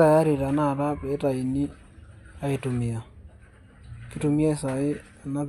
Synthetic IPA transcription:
a˨ja˦ɾi˨ɾa˨na˦ɾa˦pe˨˦ta˨i˨ni˦ | a˨e˨tumi˨a˨ | ki˦tu˨mia˦sa˨ɪ˦ | a˨na˦

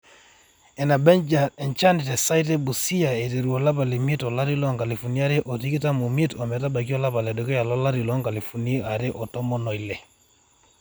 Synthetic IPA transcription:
ɛ˨na˨bɛ˦nd͡ʒa˨ɛ˨nt͡ʃa˦ni˨tɛ˨sa˦i˦te˦bu˨si˦ja˨e˨te˨ɾu˨ɔ˨la˦pa˨le˨mi˦tɔ˨la˦ɾi˦lɔ˦ŋka˨li˨fu˨ni˦a˦ɾe˦ʔɔ˨ti˦ki˦ta˦mu˨mi˦tɔ˨mɛ˨ta˦ba˨k̬i˦ɔ˦la˦pa˨lɛ˨do˨˦kɛ˦ja˨lɔ˦la˦ɾi˨lɔ˦ŋka˨li˨fu˨ni˦a˨ɾe˦ʔɔ˨tɔ˦mɔ˦nɔ˨i˨lɛ˨

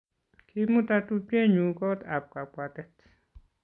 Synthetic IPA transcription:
kʰi˦mu˦ta˧tu˦pɛ˦ɲu˨kɔ˦t̪a˨p̚ka˨pʷa˨tɛ˦t

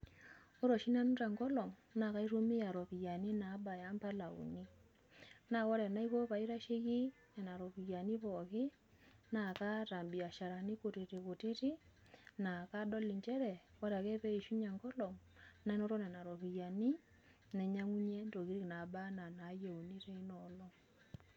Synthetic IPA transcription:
o˦ɾɔ˨ʃi˦na˦n˦ta˨ŋɡɔ˦lɔ˨ŋna˨ka˦i˦ɾo˦mi˦ja˨ɾɔ˨pi˨ja˨ni˦na˨˦ba˨ja˦mpa˦la˨ṵ˨ni˦ | na˨wɔ˦ɾɛ˨na˦i˦ko˦pa˨i˦ɾa˦ʃe˦ki˦ | nɛ˨na˨ɾɔ˨ki˨ja˨ni˦pɔ˨kɪ˦ | na˨ka˦ta˨mbi˨a˨ʃa˨ɾa˨ni˦ko˨ti˨ɾi˨ko˨tɪ˦ti˦ | na˨ka˦dɔ˦li˨ɲt͡ʃɛ˦ɾɛ˨wa˦ɾa˨kɛ˦pɛ˦i˨ʃu˦ɲa˨ŋɡɔ˦lɔ˨ŋna˦i˦no˦ɾɔ˦nɛ˨na˨ɾɔ˨pi˨ja˨ni˦ | nɛ˨ɲa˦ŋu˦ɲe˦nto˨ki˨˦ɾi˦kna˨˦ba˦na˨na˨˦je˨u˨ni˦te˦i˦nɔ˨lɔ˦ŋ

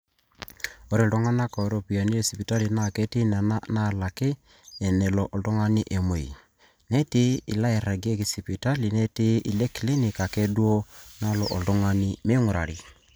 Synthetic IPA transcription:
o˦ɾi˦˨dɔ˦ŋa˦na˦ka˨ɔ˨˦ɾo˦˨pi˨ja˨ni˦e˦si˨pi˨ta˦li˨na˦˨ke˦tɪ˦na˨a˦na˦˨la˨kɪ˦ | ɛ˨nɛ˨lɔ˨ʔɔ˨dɔ˦ŋa˦ni˦ʔe˨mo˨ḭ˨ | nɛ˦tɪ˦ḭ˨la˦ɛ˨ɾa˨ɡe˦ki˨si˨pi˨ta˦li˨nɛ˦ti˦ʔi˨le˦ki˨le˦ni˨ka˨ke˦du˦o˦na˦lɔ˨ʔɔ˨ldɔ˦ŋa˦nɪ˦me˦ŋu˨ɾa˨ɾi˨

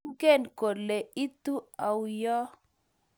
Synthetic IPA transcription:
ɡe˦˨nko˨dle˨i˦t̪u˦a˨wjɔ˦

